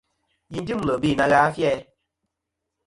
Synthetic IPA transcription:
ji˦n˦di˦m˨lə˨bi˦˨na˧ɡaː˦fjɛ˦

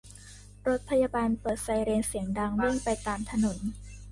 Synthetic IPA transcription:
ɾo˦˥t̪̚pʰa˧jaː˧baː˧npɤː˨˩t̪̚sa˧˩jɾeː˧nsi˩˦əŋdaː˧ŋɾɯ˥˩ŋpa˧jt̪aː˧mt̪ʰa˧no˩˦n

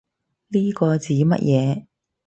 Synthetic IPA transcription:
liː˥kɔː˧t͡siː˨˥mɐ̰˥t̚jʔɛː˨˧

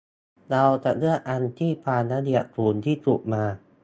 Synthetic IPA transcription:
ɾa˧wt͡ɕa˨˩nɯ˥˩əʔa˧nt̪ʰiː˥˩pʰaː˧nːaː˦˥di˨˩ə˩t̪ʰuː˨˧˩nt̪ʰiː˥˩t̪u˨˩k̚maː˧

